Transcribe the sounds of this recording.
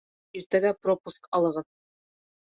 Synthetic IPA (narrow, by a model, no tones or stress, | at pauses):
iɾt̪æɡæpropuskɒlˠɤ̆ʁɤð